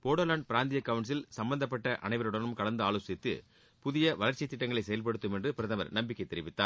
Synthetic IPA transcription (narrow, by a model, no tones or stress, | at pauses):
poːɽoːlaːɳɖpɪɾaːnd̪ɪjɐkːɐʋɐɳɖs̬ɪlsɐmbɐnd̪ɐp̬ːɐʈːɐʔɐ̰nɐɪʋɐɾɯɽɐnɯmkɐɭɐnd̪ɯaːɭoːsɪt̪ːɯ̰ | pʊðɪjɐʋɐlɐɾt͡ʃɪt̪ːɪʈːɐŋɡɐɭɐɪsɛjɐlpɐɽɯt̪ːɯmɛndrɯpɪɾɐðɐʋɐ̰ɾnɐmbɪkːɐɪt̪ːɛɾɪʋɪt̪ːa̰ː